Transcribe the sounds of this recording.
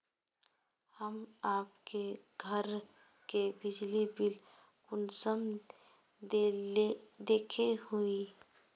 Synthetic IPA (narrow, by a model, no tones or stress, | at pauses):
həmaːpke | ɡʱəɾ | kebɪd͡ʒlibɪl | kʊnsəm | d̪eːkʰehui